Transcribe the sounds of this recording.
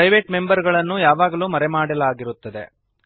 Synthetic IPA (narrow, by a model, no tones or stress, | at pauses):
ɐjʋeːʈme̞mbɐɾɡɐɭɐnːujaːʋaːɡɐluːmɐɾɛmaːɽɐlaːɡiɾut̪ːɐd̪e̞̰